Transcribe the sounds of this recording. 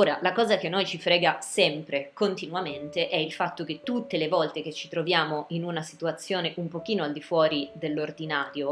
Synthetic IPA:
oːɾalakɔːzakenːojt͡ʃifɾɛːɡasɛmpɾekont̪inuament̪eʔɛilfat̪ːok̟et̪ːut̪ːelevɔlt̪ek̟et͡ʃːit̪ɾovjaːmoʔinunasit̪uat̪sːjoːneʔumpok̟iːnoald̪ifwɔːɾid̪elːord̪inaːɾjo

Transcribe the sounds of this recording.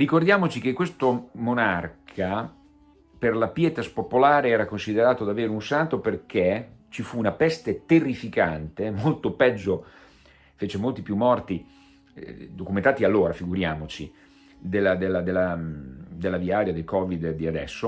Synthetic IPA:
rikord̪jaːmot͡ʃik̟ekːwest̪omonarkʰa | perlapjɛːt̪aspopolaːɾeɛːɾakonsid̪eɾaːt̪od̪aveːɾeunsant̪operk̟et͡ʃifuːnapɛst̪et̪erːifikant̪emolt̪opɛd͡ʒːo | feːt͡ʃemolt̪ipjumːɔrt̪i | d̪okument̪aːt̪ialːoːɾafiɡuɾjaːmot͡ʃi | d̪elːad̪elːad̪elːa | d̪elːaviaːɾjad̪elkɔːvid̪d̪iad̪ɛ̰sːo

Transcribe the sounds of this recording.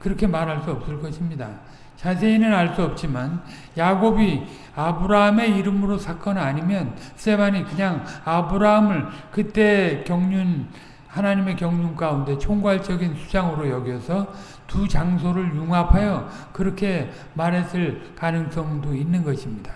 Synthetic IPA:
kɯɾʌkʰe̞maɾɦaɭs͈uʌp̚s͈ɯɭk͈ʌɕʰimɲida | t͡ɕasʰe̞inɯnaɭs͈uʌp̚t͡ɕ͈iman | jaɡobi | abɯɾaɦame̞iɾɯmɯɾosʰak͈ʌnaɲimjʌns͈ʰe̞baɲikɯɲaŋabɯɾaɦamɯɭkɯt͈e̞kjʌŋɲun | hanaɲime̞kjʌŋɲunk͈aunde̞t͡ɕʰoŋɡaɭt͡ɕ͈ʌɡinsʰu̥d͡ʑaŋɯɾojʌɡjʌsʰʌ | tut͡ɕaŋsʰoɾɯɭjuŋapʰajʌ | kɯɾʌkʰe̞ | maɾɦes͈ʰɯɭkanɯŋs͈ʌŋdoinːɯnɡʌɕʰimɲid̥ḁ

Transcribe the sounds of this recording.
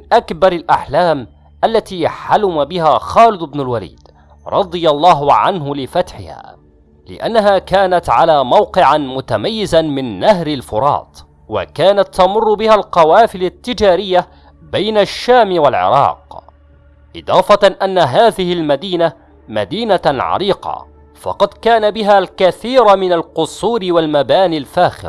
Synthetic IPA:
ɪnʔakbɑɾˤɪlʔaħlaːm | ʔalːat̪iːħalʊmabɪɦaːxɑːlɪd̪ʊbnɪlwalḭːd̪ | ɾˤɑd̪ˤɨjɑlˤːɑːɦʊʕanɦʊlɪfat̪ħɪ̰ha̰ː | lɪ̰ʔa̰nːaɦaːkaːnat̪ʕalaːmawqɪʕamʊt̪amajːɪzanmɪnːaɦɾalfʊɾˤɑ̰ːt̪ˤ | wa̰kaːnat̪ːɑmʊrˤːʊbɪhalqɑwaːfɪlat̪ːɪd͡ʒaːɾɪjːa | bajnaʃːaːmwalʕɪ̰ɾˤɑ̰ːq | ʔɨ̰d̪ˤɑːfɑʔanːaɦaːðɪhɪlmad̪iːna | ma̰d̪iːnaʕɑ̰ɾiːqɑ̰ | fɑ̰qɑd̪kaːnabɪɦaːlkaθiːɾamɪnalqʊsˤuːɾɪwalmabaːnɪlfaːxɪ̰l

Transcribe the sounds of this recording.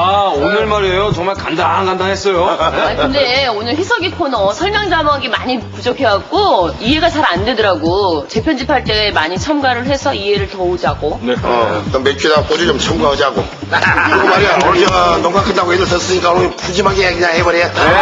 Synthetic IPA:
aonɯɭmaɾejot͡ɕʌŋmaɭkandaŋkand̪aŋɦes͈ʌjoakɯndeonɯɭɸisʰʌɡikʰonʌsʰʌɭɲaŋd͡ʑamaɡimaɲipud͡ʑokʰewak͈oiɦe̞ɡat͡ɕaɾandwe̞dʌɾaɡot͡ɕe̞pʰjʌnd͡ʑipʰaɭt͈e̞ːmaɲit͡ɕʰʌmɡaɾɯɭɸe̞sʰʌiɦe̞ɾɯɭtʌud͡ʑaɡonʌ̰tʌmekʰedak͈od͡ʑit͡ɕomt͡ɕʰʌmɡaɯd͡ʑaɡo | ɯɯɡɯmaɾiaod͡ʑʌnʌŋpʰakʰɯndaɡojedɯɭsʰʌs͈ɯɲik͈anoɲopud͡ʑimaɡeakɯɲaŋhebʌɾeja

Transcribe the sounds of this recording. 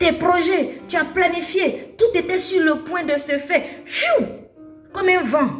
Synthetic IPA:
t̪ɛpʁoʒɛt̪yaplanifjet̪ut̪et̪ɛsyʁləpwɛ̃d̪əsəfɛfu | kɔmɛ̃vã

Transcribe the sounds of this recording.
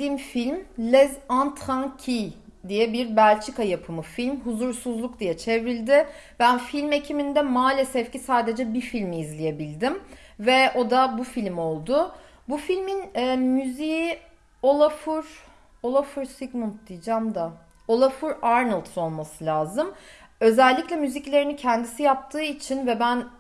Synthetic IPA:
imfilʲmlʲɛzant̪ʰancʰid̪ijɛbiɾbælʲt͡ʃʰikajapʰɯmɯfilʲmɦuzuɾsuzlˠuk̚d̪ijɛt͡ʃʰe̞vilʲd̪ɪ | bænfilʲme̞cʰimind̪ɛmaːlʲɛsɛfcisaːd̪e̞d͡ʒɛbiɾfilʲmiːzlʲije̞bilʲd̪im | vɛo̞d̪abufilʲmo̞lˠd̪ʊ | bufilʲminɛːmyziji | o̞lˠafuɾ | o̞lˠafuɾsiɡmunt̪̚d̪ijd͡ʒamd̪a | o̞lˠafuɾaɾnɯlˠt̪so̞lˠmasɯlʲaːzɯm | ø̞zɛlʲːiclʲɛmyziclʲe̞ɾinicʰænd̪isijap̚t̪ʰɯːit͡ʃʰinvɛbæn

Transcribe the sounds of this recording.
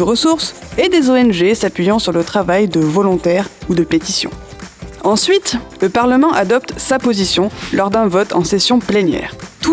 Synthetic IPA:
əʁəsuʁsed̪ezoɛnʒesapɥijɑ̃syʁlət̪χavajd̪əvɔlɔ̃t̪ɛʁud̪əpet̪isjɔ̰̃ | ɑ̃sɥit̪ləpaʁləmɑ̃ʔad̪ɔp̚t̪sapozisjɔ̃lɔʁd̪ɛ̃vɔt̪ɑ̰̃sesjɔ̃plenjɛ̰ːʁt̪u

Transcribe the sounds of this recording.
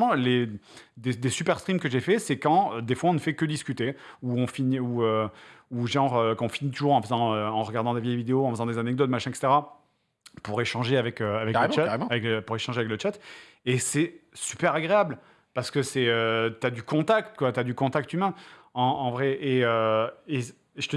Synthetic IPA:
mɑ̃led̪ed̪esypɛʁst̪χimkəʒefɛsɛkɑ̃ød̪efwaɔ̃nəfɛkəd̪iskʲyt̪euɔ̃finiuøuʒɑ̃ʁøkɔ̃finit̪uʒuʁɑ̃fəzɑ̃øɑ̃ʁəɡaʁd̪ɑ̃d̪evjɛjvid̪eoɑ̃fəzɑ̃d̪ezanɛɡ̚d̪ɔt̪maʃɛ̃ɛkse̥t̪eʁa | puʁeʃɑ̃ʒeavɛkøavɛkaeaaʁem̃vɛkpuʁeʃɑ̃ʒeavɛklət͡ʃat̪ | esɛsypɛʁaɡʁeabl | paʁsə̥kəsɛøt̪yad̪ykɔ̃t̪akt̪kwat̪yad̪ykɔ̃t̪ak̚t̪ymɛ̃ɑ̃ɑ̃vʁɛʔeøe | ʒə̥t̪ə

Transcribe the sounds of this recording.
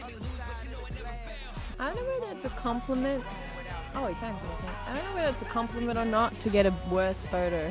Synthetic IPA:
aɪdõʊ̃noʊwəððætsɨkʰɑ̃mpʰləmɨ̃nt | ʔoʊɨkʰæ̃nsɨnθɪ̃ŋaɪdõʊ̃nːoʊwəððætsɨkʰɑ̃mpləmɨ̃ɾ̃ə˞nətʰɨɡɛɾɨwɜ˞sfoʊɾə˞

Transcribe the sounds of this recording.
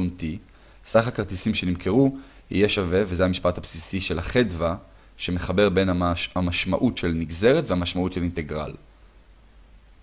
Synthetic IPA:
unti | saχakaʁt̪isimʃe̞nimkʰeʁu | ḭjeʃave̞vezeɦamiʃpat̪hapsisiʃe̞laχedva | ʃe̞me̞χabe̞ʁbe̞namaʃma̰ʔutʃe̞lniɡze̞ʁet̪vehamaʃmautʃelinte̞ɡʁa̰l

